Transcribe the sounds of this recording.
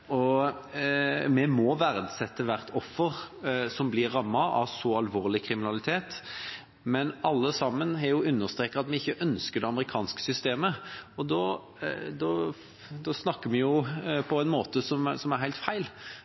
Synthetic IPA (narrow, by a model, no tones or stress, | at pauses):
ɔ | mɛmɔʋæɾd̪sɛt̪ːəʋæɾt̪ʰɔfːəʁsɔmblɪɾːɑmːɑʔɑ̰ʋsɔɑlʋoːʁlɪkʰɾɪmɪnɑlɪt̪ʰeːt̪ | mɛnɑlːəsɑmːənɦɛjʊʉnːəʁst̪ɾeːkɑɑt̪mɛɪçːəʔœnskəd̪ɛɑməɾɪkʰɑːnskə̥sʏst̪eːməɔd̪ɔ | d̪ɔ | d̪ɔsnɑkːəmɛjʊpʰɔæɪnmoːt̪əsɔmsɔmæɾɦæɪlt̪fæɪl